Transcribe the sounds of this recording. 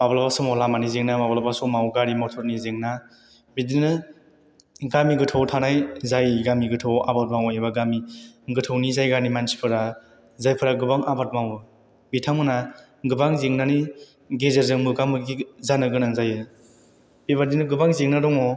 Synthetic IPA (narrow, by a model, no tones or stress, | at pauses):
mablabasɔmɔlamanizeŋnamablabasɔmawɡaɾimɔtʰɔɾnizeŋna | bidinɯ | ɡamiɡɯtʰawtʰanajzajɡamiɡɯtʰawabat̚mawebaɡamiɡɯtʰɯwnizajɡanimansi̥pʰɯɾa | zajpʰɯɾaɡɯbaŋʔabat̚mawɯ | bitʰaŋmɯna | ɡɯbaŋzeŋnani | ɡezeɾzɯŋbɯɡaŋmɯɡizanɯɡɯnaŋzajɯ | bibadinɯɡɯbaŋzeŋnadɔŋɔ